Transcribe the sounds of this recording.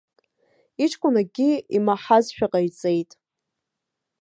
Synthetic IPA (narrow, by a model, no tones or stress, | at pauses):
iʈ͡ʂʰʼkʷʼʊnaɡʲiimaħazʃᶣaqʼajt͡sʼe̞jtʼ